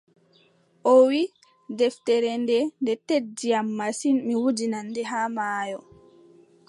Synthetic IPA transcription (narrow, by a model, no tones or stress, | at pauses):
ʔowi | dɛftɛɾɛndɛndɛtedːijamːasinmiwud͡ʒinanːdɛɦamaːjɔ